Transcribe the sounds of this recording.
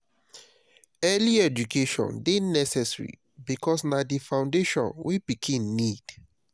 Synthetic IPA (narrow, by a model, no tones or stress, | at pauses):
ɛliɛd͡ʒukeʃɔ̰̃ndenɛsɛsɹḭ | bikɔsnadifãʊ̃ndeʃɔ̰̃nwibikʰẽmnid̥